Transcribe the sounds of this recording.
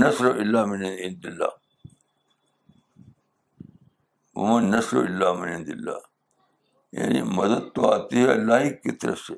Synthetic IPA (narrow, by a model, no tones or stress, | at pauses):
nɐsɾoʔilːaːmɪnɦɪ̃nd̪ilːa̰ː | ʊ̰mãnɐsɾo̰ɪlːaːmɪnɪnd̪ɪlːa̰ː | ja̰nḭmɐd̪ɐd̪̚t̪oa̰ːt̪ieɐ̰lːaːɦikit̪ɐɾɐ̰fse